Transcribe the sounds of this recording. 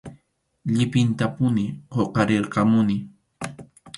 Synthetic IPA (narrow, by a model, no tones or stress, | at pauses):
ʎɪpɪnt̪apʊnɪqoqɑɾeɾqɑmʊnɪ